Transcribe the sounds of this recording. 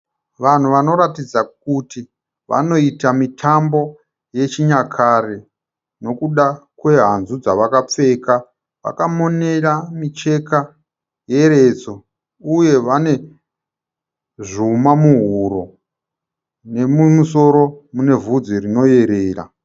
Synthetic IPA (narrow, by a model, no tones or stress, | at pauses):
ʋan̤uʋano̞ɾatid͡zak̚uti | ʋa̰no̞itamitʰambo̞ | je̞t͡ʃiɲakʰare | no̞kuɗakwe̞ɦanzud͡zaʋakap͡fe̞ka | ʋa̰kamo̞ne̞ramit͡ʃe̞ka | je̞ɾe̞t͡so̞ | uje̞ʋane̞ | ʐumamuɦuɾo̞ | ne̞mumuso̞ɾo̞mune̞vud͡zirino̞je̞ɾeːra̰